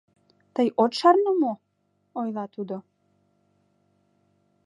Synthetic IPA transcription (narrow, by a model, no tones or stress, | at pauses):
t̪əjot̪ʃɑrnəmo | ojlɑt̪ud̪o